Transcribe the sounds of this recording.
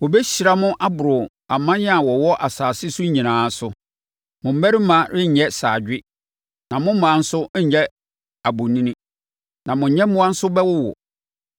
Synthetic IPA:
wɔ˨bɛ˦ɕi˨ɾa˨mʊ̃˦ʔa˦bʊ˨ɾʊ˨ | a˨mã˦nɪ̃˦a˨wɔ˨wɔ˦ʔa˨saː˨sɪ˦sʊ˦ɲĩ˨nãː˨˦sʊ˦ | mʊ̃˨m̩˦mæ˦ɾɪ˦mã˨ɾɪ˦ɲ̩˨ɲɛ˦sa̰ː˨d͡ʑᶣɪ˦ | nã˨mʊ̃˦m̩˦mã˨˦n̩˦sʊ˦˨ɲɛ˦ | a˨bʊ˨nĩ˦nĩ˦ | nã˨mʊ̃˨ɲɛ̃˦mʊ̃˦a˦n̩˦sʊ˦bɛ˦wʊ˦wɔ̰˨

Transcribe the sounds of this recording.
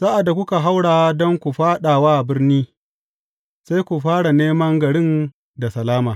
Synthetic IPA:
sa˦ʔa˨dːa˨kʷʊ˦ka˨ɦa˦wɽaː˨a˦dɔ˦ŋkʷu˨ɸaː˦ɗa˨waː˦˨bɪ˦rniː˦ | sa˦jkʷu˨ɸaː˦ɽa˨neː˦mɐ˦ŋɡɐ˨ɽɪ˦n | da˨sɐ˨laː˦maː˨

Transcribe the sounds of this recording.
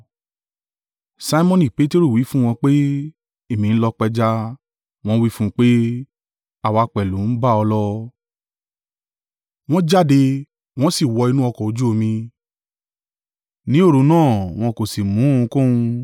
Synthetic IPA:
sa˧i˦mɔ̃˧nĩ˦˨pe˦te˦ɾu˦˨wi˨˦fũ˦w̃ɔ̃˧k͡pe˦ | e˦˨mĩ˨n̩˦lɔ˧k͡pɛ˧d͡ʒa˧ | w̃ɔ̃˦wi˦fũ˦˧k͡pe˦ | a˨wa˧k͡pɛ˨lũ˨˦n̩˦ba˦ɔ˧lɔ˦ | w̃ɔ̃˦d͡ʒa˦de˧ | w̃ɔ̃˦si˦˨wɔ˧i˧nũ˦ɔ˧kɔ˨o˨˧d͡ʒu˦o˧mĩ˧ | nĩ˨˦o˦˨ɾo˧nãː˦˨w̃ɔ̃˧ko˨si˨mũ˨˦ũ˧kõ˦ũ˧

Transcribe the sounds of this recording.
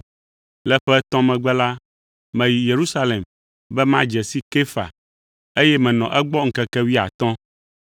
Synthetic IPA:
lɛ˦ɸɛ˦t̪ɔ̃˦mɛ̃˨ɡ͡bɛ˦la˦ | mɛ̃˨ji˨je˨ɾu˦sa˦le˨m | bɛ˦mã˦d͡ʒɛ˨si˦ke˦fa̰˨ | e˦jɛ˦mɛ̃˨nɔ̃˨ʔɛ˦ɡ͡bɔ˦ŋ̩˨kɛ˨kɛ˦wi˦a̰˨t̪ɔ̃˦

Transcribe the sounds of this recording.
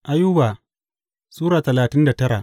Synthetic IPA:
ʔa˦ju˦baː˨ | suː˦ɾaː˨tɐ˨laː˨tɪ˦nda˨tɐ˦ɾa˨ʔ

